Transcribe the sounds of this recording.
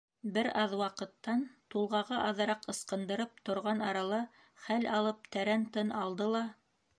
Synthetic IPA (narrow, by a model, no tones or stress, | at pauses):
bɘɾɑðwɑqɤ̆t̪ːɑnt̪ulˠʁɑʁɤʔɑðɤ̆ɾɑqɤ̆sqɤ̆nd̪ɤ̆ɾɤp̚t̪ŏɾʁɑnɑɾɑlˠɤ | χælɑlˠɤp̚t̪æɾænt̪ɤnɑlˠd̪ɤlˠɑ